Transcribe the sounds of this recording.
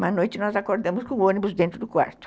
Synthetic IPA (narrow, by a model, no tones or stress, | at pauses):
mɐ̃nojt͡ʃɪnɔzakoɾd̪ɐ̃mʊskõõnibʊzd̪ẽnt̪ɾʊd̪ʊkwa̰ɾt̪ʊ̥